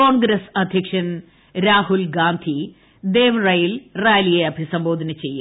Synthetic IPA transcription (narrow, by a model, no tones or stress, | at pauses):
oːɳɡɾɐsɐd̪ʱjɐkʂɐn | ɾaːɦulɡaːnd̪ʱi | d̪eːʋrɐjilraːlijeɐbʱisɐmbo̞ːd̪ʱɐnɐt͡ɕejːu